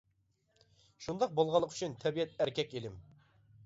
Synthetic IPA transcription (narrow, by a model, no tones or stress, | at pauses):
ʃund̪ɑq̚bolˠʁɑlˠːəqʰy̥t͡ʃʰynt̪ʰɛbiɛt̪æɾkʲʰɛkʲelɪm